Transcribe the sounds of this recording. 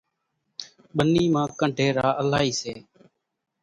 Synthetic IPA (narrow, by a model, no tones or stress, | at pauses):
ɓəniːmãːkəɳɖʱeːɾaːʔəlaːiːseː